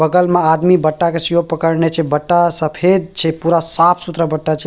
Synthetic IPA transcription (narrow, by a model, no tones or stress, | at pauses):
bəɡəlmead̪mibəʈːakesjoɡ̚pəkəɾnet͡ʃʰɛbəʈːasəpʰed̪̚t͡ʃʰɛpuɾasapʰsut̪ɾəbəʈːat͡ʃʰɛ